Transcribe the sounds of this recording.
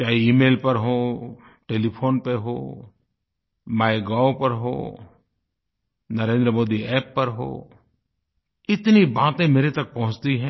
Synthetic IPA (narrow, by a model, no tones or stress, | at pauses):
t͡ʃaːiiːmeːlpɐɾɦoː | ʈeːlipʰoːnpeɦo̰ː | maːeɡaːwpɐɾɦo̰ː | nɐɾẽːnd̪ɾəmoːd̪iɛːpːɐɾɦo̰ː | ɪt̪nibaːt̪ẽmeːɾet̪ɐk̚pɐɦʊ̃t͡ʃt̪iɦɛ̃ː